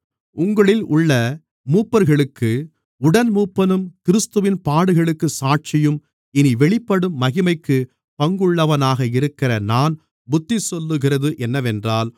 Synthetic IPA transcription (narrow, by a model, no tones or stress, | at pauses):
ʊŋɡɐɭɪlʊɭːɐ | muːpːɐɾɣɐɭɯkːɯ | ʊɽɐnmuːpːɐnɯmkɪɾɯst̪ɯʋɪnpaːɽɯɣɐɭɯkːɯsaːʈ̚t͡ʃɪjɯm | ɪniʋɛɭɪpːɐɽɯmːɐɣɪmɐɪkːɯ | pɐŋɡɯɭːɐʋɐnaːɣɐɪɾɯkːɪrɐnaːn | bʊt̪ːisɔlːɯɣɪrɐðɯʔɛnːɐʋɛndraːl